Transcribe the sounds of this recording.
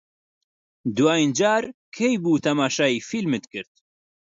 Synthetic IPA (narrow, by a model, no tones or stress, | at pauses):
d̪uwaːjind͡ʒaːɾ | kʰejbuːt̪ʰɐmaːʃaːifilmɨt̪kɨɾt̪̚